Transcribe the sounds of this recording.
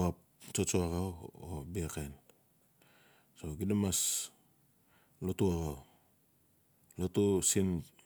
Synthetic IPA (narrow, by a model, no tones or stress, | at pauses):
ap̚ | t͡ʃot͡ʃoaɣawo̰biaken | soɡidamas | lotuaɡaw | lotusin